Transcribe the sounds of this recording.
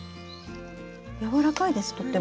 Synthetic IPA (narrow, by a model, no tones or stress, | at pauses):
jaβaɾakaid̪e̞sɨ̥t̪o̞t̪ːe